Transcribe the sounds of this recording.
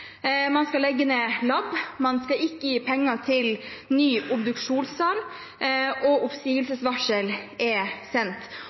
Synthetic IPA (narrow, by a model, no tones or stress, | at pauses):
mɑnskɑlɛɡːəneːlɑbmɑnskɑɪkːəjiːpʰɛŋːɑt̪ʰɪlnyːʔʊpd̪ʉkʂuːnsɑɾ | ɔʊpsiːʋəlsəsʋɑʂəlʔɛsɛnt̪